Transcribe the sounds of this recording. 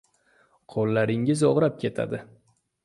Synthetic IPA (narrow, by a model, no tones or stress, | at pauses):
qʰolˠːaɾɪŋɪzoʁɾap̚kʲʰe̞t̪ʰa̰d̪ɪ